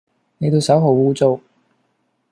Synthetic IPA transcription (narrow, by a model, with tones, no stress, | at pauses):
ne˨˧jt̪ʰo˨˧wsɐ˨˥wɦo˨˧wuː˥t͡so˥˧w